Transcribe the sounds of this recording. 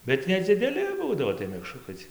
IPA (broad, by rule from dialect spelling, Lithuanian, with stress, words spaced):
bʲɛt nʲɛd͡zʲɪdʲɛˈlʲɪ ˈbuːdɐʋoː tɐɪ mʲɛkˈʃrʊkɐɪ t͡sʲiɛ